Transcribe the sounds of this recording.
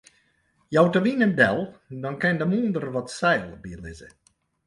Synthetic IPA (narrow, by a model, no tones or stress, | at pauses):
jɔwtəʋinədɛlˠdɔnkɛjndəmuəndərʋɔtsɛjlˠbiəlɪzə̰